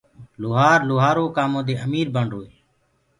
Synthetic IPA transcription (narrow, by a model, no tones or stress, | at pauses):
lʊːɦaːɾlʊːɦaːɾoːkaːmõːd̪eːʔəmiːɾbəɳɖɦoːeː